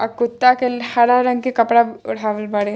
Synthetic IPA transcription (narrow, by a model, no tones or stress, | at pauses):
ɐkʊt̪ːakelhɐɽaɾɐŋɡkekɐpɽaʊ̰ɽ̤ʱaːʋəlbɐɽe